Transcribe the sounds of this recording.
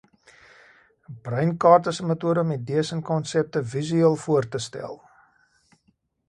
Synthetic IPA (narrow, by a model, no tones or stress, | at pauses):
brəjnkɑːrtəsəmətuəɾəɔmɛt̚diəsənkɔnsɛp̚təvizyiəlˠfuərtəstɛ̰lˠ